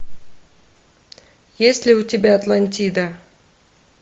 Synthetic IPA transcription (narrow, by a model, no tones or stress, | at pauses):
jesʲlʲɪʊtʲɪbʲaɐt̪lˠɐnʲtʲid̪ə